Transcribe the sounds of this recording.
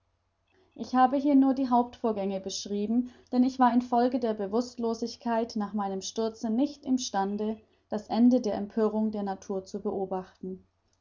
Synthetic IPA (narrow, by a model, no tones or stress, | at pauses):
ʔɪçhaːbəɦiːɐnuːɐdiːɦaʊp̚tfoːɐɡɛŋəbəʃʁ̥iːbm̩d̥ɛnɪçv̥aːɐɪnfɔlɡədeːɐbəvʊstloːzɪçkʰaɪtnaːχmaɪnəmʃtʏɐt͡sənɪçtɪmʃtandə | d̥asʔɛndədeːɐʔɛmpʰøːʁ̞ʊŋdeːɐnatʰuːɐt͡subəʔoːbaχtn̩